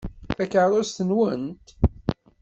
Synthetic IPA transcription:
θækəɾˤʊst̪ənwənt̪

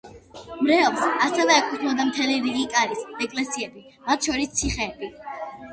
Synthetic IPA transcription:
mɾɛlˠsasɛvɛːkʰut̪ʰmɔd̪amt̪ʰɛliɾiɡikʼaɾisd̪ɛkʼlɛsiɛbi | mat̪ʰʃɔɾist̪sʰiχɛːbi

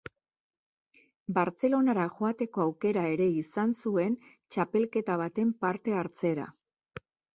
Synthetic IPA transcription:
baɾt͡se̞lo̞naɾaʝoat̪e̞ko̞awke̞ɾae̞ɾe̞isansue̞n | t͡ʃape̞lke̞t̪aβ̞at̪e̞mpaɾt̪e̞aɾt͡se̞ɾa̰

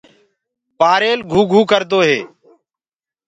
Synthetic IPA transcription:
paːɾeːlɡʱuːɡʱuːkəɾd̪oːɦḛː

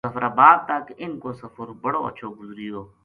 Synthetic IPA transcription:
sɐfɾaːbaːd̪̚t̪akɪnkoːsɐfəɾbɐɽoːɐ̰ːʃʰoːɡʊzɾiːjoː

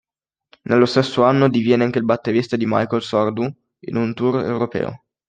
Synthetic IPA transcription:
nelːost̪esːoanːod̪ivjɛːneaŋkeilbat̪ːeɾist̪ad̪ima̰jkolsɔrd̪u | ḭnunt̪urḛwɾopɛ̰ːo̰

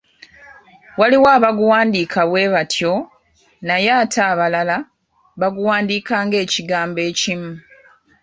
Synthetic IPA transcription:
waliwaːβaɡuwaːndiːkʰaβwe̞ːβatʰjo | najaːtʰaːβalala | βaɡuwaːndiːkaːŋɡe̞ːciɡaːmbe̞ːcimu

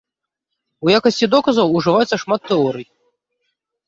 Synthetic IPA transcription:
ujakɐsʲt͡sʲid̪ɔkɐzɐwuʐɨvajɛt̪sɐʂmat̪ːɛɔɾɨji

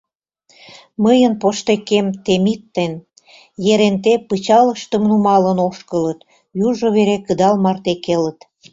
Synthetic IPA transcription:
məjənpoʃt̪ekemt̪emit̪ːen | jeɾent̪epət͡ɕɑləʃt̪əmnumɑlənoʃkələt̪ | juʒoβeɾekəd̪ɑlmɑrt̪ekelət̪

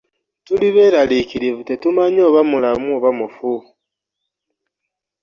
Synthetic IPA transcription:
tuliβe̞ɾalikiɾeβutetumaɲo̞ːβamulamuoβamufu

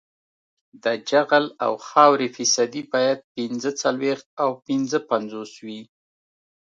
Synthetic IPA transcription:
d̪əd͡ʒaɣəla̰wxɑwɾefisad̪ibɑjad̪̚pinzət͡salwext̪̚awpinzəpanzoswi

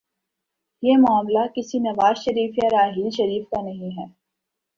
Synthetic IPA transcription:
jeːmʊaːmlakɪsinɐʋaːzʃɐɾiːfjaɾaːɦiːlʃɐɾiːfkanɐɦĩɦɛː

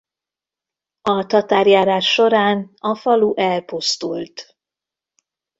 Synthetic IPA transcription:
ɒt̪ɒt̪aːrjaːɾaːʃːo̞ɾaːnɒfɒluʔɛlpust̪ult̪

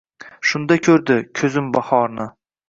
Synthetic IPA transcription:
ʃʊnd̪akʲʰɵɾd̪ɪkʲʰɵzɪmbahɒɾnɪ

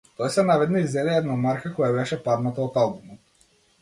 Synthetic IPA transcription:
t̪ɔjsɛnavɛd̪naizɛlɛɛd̪namaɾkakɔjabɛʃɛpaɾnat̪aot̪alˠbumɔt̪̚

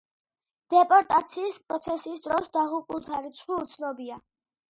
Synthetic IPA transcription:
d̪̥ɛpʼɔɾt̪ʼat̪sʰiːspʼɾɔt̪sʰɛsisd̪ɾɔsd̪aʁupʼulˠt̪ʰaɾit̪sʰχwiut̪sʰnɔbia

